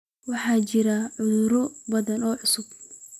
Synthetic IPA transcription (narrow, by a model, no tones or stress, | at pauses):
wɑħɑːt͡ʃɪɾɐʕʊðʊɾɔbɐðɐnɔːʕʊsʊb̚